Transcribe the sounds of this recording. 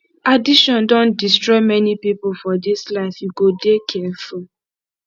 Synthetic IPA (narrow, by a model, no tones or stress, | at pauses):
adiʃɔ̃ndɔ̃ndistɹɔɪmɛnipipolfɔdislaɪfjuɡodekʰɛful